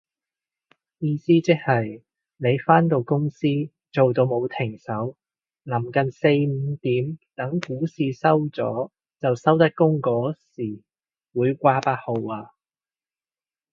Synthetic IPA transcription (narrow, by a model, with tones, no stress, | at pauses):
jiː˧siː˥t͡sɪ˥k̚hɐ˨j | ne˨˧jfaː˥nt̪o˨˧wkʊ˥ŋsiː˥ | t͡so˨wt̪o˧wmo˨˧wt̪ʰɪ˨˩ŋsɐ˨˥w | nɐ˨˩mkɐ˨nse˧jm̩˨˧t̪iː˨˥mt̪ɐ˨˥ŋkuː˨˥siː˨sɐ˥wt͡sɔ̰ː˨˥ | t͡sɐ˨wsɐ˥wt̪ɐ˥k̚kːʊ˥ŋkɔː˨˥siː˨˩ | wuː˨˧jkʷaː˧paː˧˥t̚ho˨˧waː˧